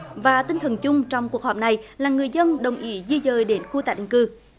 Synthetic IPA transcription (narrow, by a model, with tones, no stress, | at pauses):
vaː˨˩t̪ï˧ŋ̟t̪ʰə˨˩nt͡ɕʊ˧ŋ͡mt͡ɕɔ˧wŋ͡mku˨˩ək̚hɔː˨˩p̚na˨˩jlaː˨˩ŋɨ˨˩əjzə˧nɗə˨˩wŋ͡mʔi˧˨˦zi˧zəː˨˩jɗe˨˦nxu˧t̪aː˨˩t̚ɗḭ˧˨ŋkɨ˧˩